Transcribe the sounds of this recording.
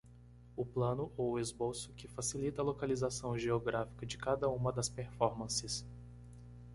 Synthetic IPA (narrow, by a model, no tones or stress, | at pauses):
ʊplɐ̃nʊʔowʊezbowsʊ̥kɪfasilit̪ɐlokalizasɐ̃w̃ʒeoɡɾʔafi̥kɐd͡ʒɪkad̪ɐũmɐd̪ɐspeɾfɔɾmɐ̃sɪs